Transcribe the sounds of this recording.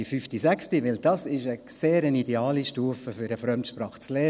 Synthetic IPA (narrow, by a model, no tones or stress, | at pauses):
ifyftisækstiʋɪld̥ɑsɪʃəseːɾənidɛɑːliʃtuəfəfyɾəfɾœmtʃpɾɑːχt͡sleː